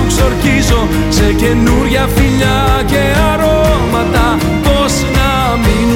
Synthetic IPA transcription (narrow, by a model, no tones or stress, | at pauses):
ksoɾkizo | sekenuɾjafiʎa | ke | aɾomat̪a | pɔsina | mi